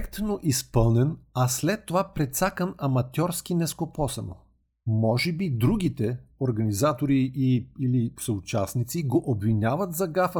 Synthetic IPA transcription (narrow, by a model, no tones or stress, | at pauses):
ɛkt̪noʔispɤlˠnɛnɐslɛt̪ːovapɾɛt̪sakənɐmɐt̪ʲjɔɾsk̟inɛskopɔsɛno̰ | mɔʒɛbid̪ɾuɡ̟ʲit̪ɛoɾɡɐnizat̪oɾiiilisɐʊt͡ʃasnit̪siɡoʔobvinʲavət̪zɐɡafə